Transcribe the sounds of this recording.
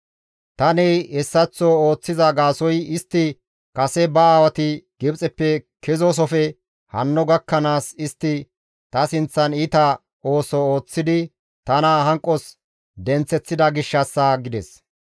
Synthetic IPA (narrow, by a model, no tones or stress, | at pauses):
t̪ɐnɛjɛsːɐt͡sːɔo̞ːt͡sːɪzɐɡaːsɔjɪst̪ːɪ | kɐsɛbɐaːwɐt̪ɪɡ̥ɪbt͡sʼɛpːɛkʰɛzɔs̬ɔfɛ | hɐnːɔɡɐkːɐnaːsɪst̪ːɪ | t̪ɐsɪnt͡sːɐnɪt̪ɐ | o̞ːsɔo̞ːt͡sːɪd̪ɪ | t̪ɐnɐɦɐŋkʼːɔs | d̪ɛnt͡sːɛt͡sːɪd̪ɐɡɪʃːɐsːɐɡɪd̪ɛs